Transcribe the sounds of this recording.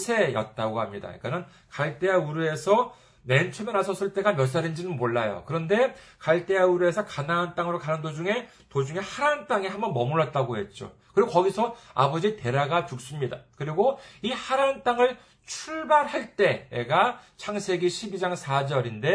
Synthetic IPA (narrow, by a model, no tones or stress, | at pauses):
sʰe̞jʌt̚t͈aɡoɦamɲida̰ḭk͈anɯn | kaɭt͈e̞auɾue̞sʰʌ | ne̞nt͡ɕʰumenasʰʌs͈ɯɭt͈e̞ɡamjʌs̬͈aɾind͡ʑinɯnmoɭːajo̰kɯɾʌnde̞kaɭt͈e̞auɾue̞sʰʌkanaɦant͈aŋɯɾokanɯndod͡ʑuŋe̞ | tod͡ʑuŋe̞haɾant͈aŋehambʌnmʌmuɭːʌt̚t͈aɡoɦe̞t̚t͡ɕ͈o̰kɯɾiɡokʌɡisʰʌa̰bʌd͡ʑite̞ɾaɡat͡ɕuk̚s͈ɯmɲida̰kɯɾiɡoihaɾant͈aŋɯɭ | t͡ɕʰuɭbaɾhaɭt͈e̞ɡat͡ɕʰaŋsʰe̞ɡiɕʰibid͡ʑaŋsʰad͡ʑʌɾinde̞